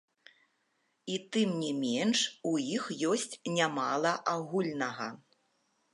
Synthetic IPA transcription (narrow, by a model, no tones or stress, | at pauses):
it̪ɨmnʲimʲɛnʂujixjɔsʲt͡sʲnʲamalˠɐʔaɣulʲnɐɣɐ